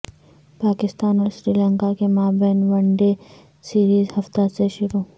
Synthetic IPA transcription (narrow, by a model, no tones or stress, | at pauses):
paːkɪst̪aːnɔːɾsɾiːlə̃ŋkakemaːbeːnʋɐɳɖe | siːɾiːzhɐft̪aseʃʊɾuː